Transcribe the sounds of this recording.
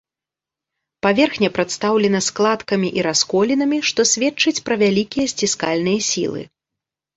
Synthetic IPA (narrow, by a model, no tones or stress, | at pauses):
pavʲɛrxnʲɛpɾɐt̪st̪awlʲɛnɐsklˠat̪kɐmʲiʔiɾaskɔlʲinɐmʲiʂt̪ɔsʲvʲɛt͡ʂɨt͡sʲpɾɐvʲalʲikʲijɐsʲt͡sʲiskalʲnɨjɐsʲḭlˠɨ̰